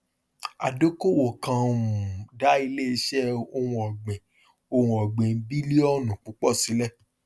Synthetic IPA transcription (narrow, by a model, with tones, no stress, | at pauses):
a˨do˦ko˦˨wo˨kã˧ũ˨da˨˦i˧le˦i˧˦ʃɛ˦o˧wũ˧ɔ˨ɡ͡bẽ˨ | o˧wũ˧ɔ˨ɡ͡bẽ˨bi˦le˦ɔ˦nũ˨k͡pu˨˦k͡pɔ˦˨si˨˦lɛ˦˨